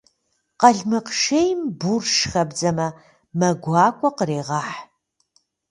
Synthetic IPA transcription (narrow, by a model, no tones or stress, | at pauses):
qɐɮmɨqʃejmburʃxɐbd͡zɐmɐ | mɐɡʷɑːkʷʼɔqəɾeːʁɑːħ